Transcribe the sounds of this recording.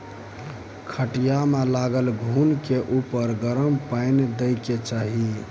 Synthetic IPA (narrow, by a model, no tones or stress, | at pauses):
kʰəʈijamelaɡəlɡʱunkeʔupəɾɡəɾəmpajnd̪əjket͡ʃaɦi